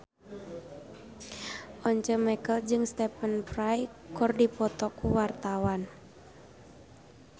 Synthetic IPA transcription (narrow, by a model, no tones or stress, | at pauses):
ʔɔɲt͡ʃəmɛkəld͡ʒɨŋst̪ɛpənpɾajkɔrdipɔt̪ɔkuwart̪awan